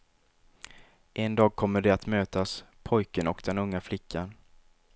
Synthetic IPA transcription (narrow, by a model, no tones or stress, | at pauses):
ʔɛnd̪ɑːɡ̚kʰɔmːəɖɛat̪møːt̪aspʰɔjkənɔkd̪ɛnɵŋːaflɪkʰːan